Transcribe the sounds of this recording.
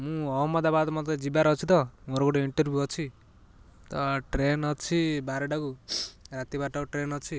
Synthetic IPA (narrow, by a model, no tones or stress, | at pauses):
mũʌɦmʌd̪abad̪mɔt̪ad͡zibaɾʌt͡sʰit̪ʌmoɾokuʈɔiɳʈʌɾbʱjuɦʌt͡ʃʰi | t̪ʌʈrenʌt͡sʰibaɾeɖakuɾat̪iβaʈɔkuʈrenʌt͡sʰi